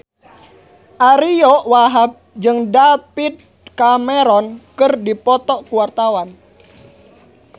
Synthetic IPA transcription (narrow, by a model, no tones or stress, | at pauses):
ʔaɾiɔʔwaɦab̚d͡ʒɨŋdapit̪̚ | kamɛɾɔnkɨrdipɔt̪ɔʔkuwart̪awan